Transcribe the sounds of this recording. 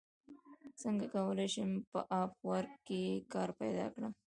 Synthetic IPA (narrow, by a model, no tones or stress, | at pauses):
səŋɡakawəlajʃəmpə̰ʔɑfwaɾɡkːekɑɾpajd̪ɑ̰kɽa